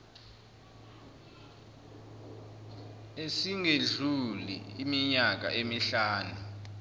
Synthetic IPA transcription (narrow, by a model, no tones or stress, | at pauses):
esiŋeɮulḭimiɲak̬a̰ʔemiɬaːnu